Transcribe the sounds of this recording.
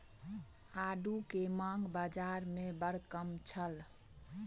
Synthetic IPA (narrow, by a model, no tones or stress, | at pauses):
aɖukemãŋɡbad͡ʒaɾmebəɽkəmt͡ʃʰəl